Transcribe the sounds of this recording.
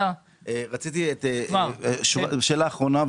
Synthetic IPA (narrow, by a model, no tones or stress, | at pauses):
eʁat͡sit̪iet̪eʃʃeːlaːχʁo̞nab